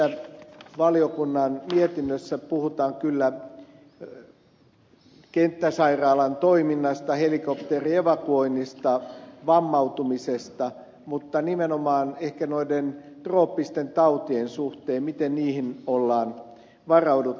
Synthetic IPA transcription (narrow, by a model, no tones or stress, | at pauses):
æʋɑliokunːɑnmiet̪inːøsːæpuhut̪ɑːŋkylːæ | kent̪ːæsɑirɑːlɑnt̪oiminːɑst̪ɑhelikopt̪erieʋɑkuoinːist̪ɑʋɑmːɑut̪umisest̪ɑ | mut̪ːɑnimenomɑːnehkænoiden | t̪roːpːist̪ent̪ɑut̪iensuht̪eːmmit̪enniːhinolːɑːn | ʋɑrɑudu